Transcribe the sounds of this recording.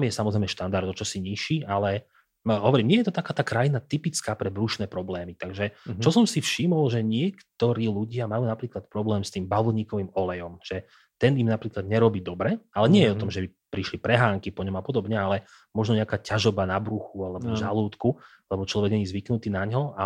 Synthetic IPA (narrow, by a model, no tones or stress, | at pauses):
t̪amjɛsamɔzɾɛɪmɛʃt̪and̪aɾd̪ɔt͡ʃɔsiɲiʃialɛ | ɦɔʋɔɾiːmɲɪɛjɛt̪ɔt̪akaːt̪aːkɾajinat̪ipit͡skaːpɾɛbɾuʃnɛːpɾɔblɛːmit̪aɡʒɛt͡ʃɔsɔmsifʃimɔlʒɛɲɪɛkt̪ɔɾiːluɟɪamajuːnapɾiːklat̪̚pɾɔblɛːmst̪iːmbaʋulɲiːkɔʋiːmɔlɛjɔmʒ̥ɛ | t̪ɛnimnapɾiːklad̪ɲɛɾɔbiːd̪ɔbɾɛalɛɲɪɛjɛɔt̪ɔmʒɛbipɾiʃlipɾɛɦaːŋkipɔɲɔmapɔd̪ɔbɲɛalɛ | mɔʒnɔɲɛakaːcaʒɔbanabɾuxualɛbɔʒaluːt̪ku | lɛbɔt͡ʃlɔʋɛɡɲɛɲizʋiknut̪iːnaɲɦɔa